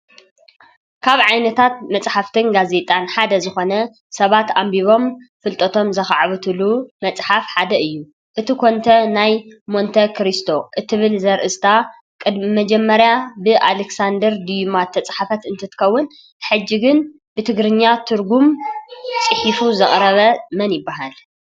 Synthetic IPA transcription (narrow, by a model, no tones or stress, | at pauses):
kʰaβʕajnɐt̪ʰat̪̚mɐt͡sʼħaft̪ʰɨnɡaze̞t̪ʼanħad̪ɐzɨxo̞nɐ | sɐβat̪ambiβo̞mfɨlt̪ʼɐt̪ʰo̞mzɐxaʕβɨt̪ʰɨlumɐt͡sʼħafħad̪ɐʔɨjːu | ʔɨt̪ʰikʰo̞nt̪ʰɐnajmo̞nt̪ʰɐkʰɾist̪ʰo̞ʔɨt̪ʰɨβɨlzɐɾʔɨst̪ʰa | kʼɨd̪mimɐd͡ʒɛmːɐɾjabɨʔaleksand̪ɨɾd̪ijumat̪ʰːɐt͡sʼħafɐt̪ɨnt̪ʰɐt̪ʰɨ̥kʰɐwːʊn | ħɨd͡ʒːiɡɨn | bɨt̪ʰɨɡɾɨɲːat̪ʰɨɾɡum | t͡sʼɨħifuzɐχʼɾɐβɐmɐnjɪbːaɦal